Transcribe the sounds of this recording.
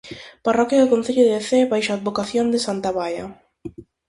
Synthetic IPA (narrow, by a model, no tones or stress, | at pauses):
parɔkjaðʊkonθeʎʊðeeθeβajʃoad̪̚βokaθjond̪ɪsant̪aβajɐ̰